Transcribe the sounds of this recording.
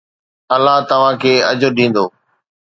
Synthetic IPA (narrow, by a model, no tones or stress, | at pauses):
ɐlːaɦt̪ɐʋ̤ãːkʰeːɐd͡ʑoɗĩːn̆d̪oː